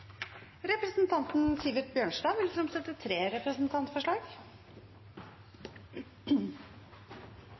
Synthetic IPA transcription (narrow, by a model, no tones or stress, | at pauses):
ɾɛpɾəsn̩t̪ʰɑnt̪n̩siːʋɪʈ̪̚bjøːɳʂdɑːʋɪlɪsɔmsɛt̪ːət̪ʰɾeːɾɛpɾəsn̩t̪ʰɑnt̪fɔʂɭɑːɡ